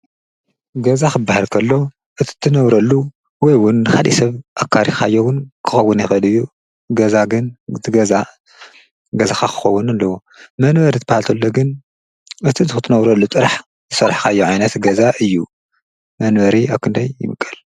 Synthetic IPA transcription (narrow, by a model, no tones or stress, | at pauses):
ɡɐzaxɨbːahalkʰɐlːo̞ | ʔɨt̪ʰi̥t̪ʰːɨnɐβɾɐlːu | wɔjwʊnːɨxalisɐβʔakʰːaɾixajːowʊnkʰɨxɐwːʊnjɪxʔɨlɨjːu | ɡɐzaɡɨnzɨɡɐza | ɡɐzaxakʰɨ̥xɐwːʊnalːɐwo̞ | mɐnbɐɾit̪ʰɐbahalt̪ʰɐlːo̞ɡɨn | ɨt̪ʰizɨxɨt̪ʰːɨnɐβɾɐlːut̪ʼɨɾaħ | zɨsɐɾħkʰaɨjːoʕajnɐt̪ɡɐzaʔɨjːu | mɐnbɐɾiaβkʰɨnd̪ɐjːɪ̰mɨkʼːɐl